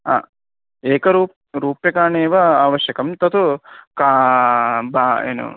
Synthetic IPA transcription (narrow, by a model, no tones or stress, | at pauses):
a̰ː | eːkɐɾuːp̚ | ɾuːpekaːneːʋɐaːʋɐʃjɐkɐmt̪ɐt̪uka | baːḛːnṵ